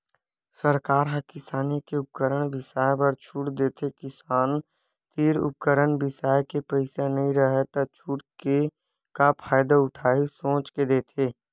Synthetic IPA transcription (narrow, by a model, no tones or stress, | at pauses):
səɾkaːɾɦəkɪsaːnikeʊp̚kəɾəɽ̃bɪsaːjpəɾt͡ʃʰuːʈd̪eːt̪ʰekɪsaːn | t̪iːɾʊ̰p̚kəɾəɳbɪsaːjkepəɪsanəɦĩɾəɦet̪ɐt͡ʃʰuːʈke | kapʰaːjd̪aʊʈʰaːɦisõːt͡ʃked̪eːt̪ʰeː